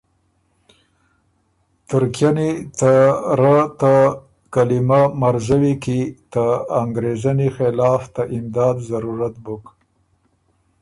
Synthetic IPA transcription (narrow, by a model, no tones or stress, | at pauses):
t̪ʊɾkjanet̪aɾat̪a | kalimamaɾzawikit̪əaŋɡɾezanixɪlɑft̪aʔɪmd̪ɑd̪zaɾuɾat̪buk